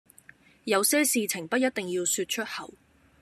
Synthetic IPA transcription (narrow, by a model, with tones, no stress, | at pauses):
jɐ˨˧wsɛː˥siː˨t͡sʰɪ˨˩ŋpɐ˥jɐ˥t̚t̪ɪ˨ŋjiː˧wsyː˧t̚t͡ʃʰɵ˥t̚hɐ˨˩w